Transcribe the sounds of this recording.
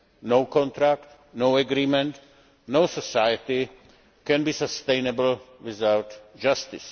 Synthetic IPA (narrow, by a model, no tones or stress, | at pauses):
noʊkɔ̃nt̪ɾakt̪ | noʊɛɡɾiːmɛ̃nt̪ | noʊsəsajət̪ɪ | kɛ̃nbiːsast̪ejnɛbl̩wɪzawt̪d͡ʒast̪ɪs